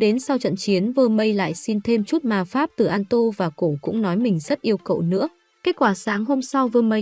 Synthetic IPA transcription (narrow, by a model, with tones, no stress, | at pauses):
ɗe˨˦nsa˧wt͡ɕə̰˧˨nt͡ɕi˨˦ənvəː˧˩mə˧jla̰ː˧˨jsi˧nt̪ʰe˧mt͡ɕu˦˥t̚maː˨˩faː˦˥p̚t̪ɨ˨˩ʔaː˧nt̪o˧vaː˨˩ko˧˩kʊ̰˧˥ŋ͡mnɔ˨˦jmï˨˩ŋ̟zə˦˥t̚ʔi˧əwkə̰˧˨wnɨ̰˧˥ə | ke˦˥t̚kwaː˧˩saː˨˦ŋɦo˧msa˧wvəː˧mə˧j